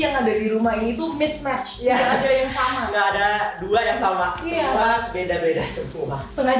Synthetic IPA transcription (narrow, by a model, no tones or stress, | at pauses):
jaŋadadiɾumaɦiniːt̪umɪsmɛt͡ʃjaaadaljaŋsamaŋɡaːdaduadaŋsamaʔiaabedabedasət̪ulahsəŋa